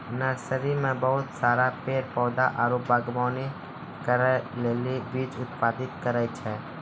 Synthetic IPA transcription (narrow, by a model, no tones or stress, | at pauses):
nəɾsəɾimẽbəɦʊt̪saːɾapeːɾpɔːd̪aʔaːɾoːpbaːɡmaːni | kəɾleːlibiːt͡ʃʊt̪̚paːd̪ɪt̪kəɾəjt͡ʃʰɛ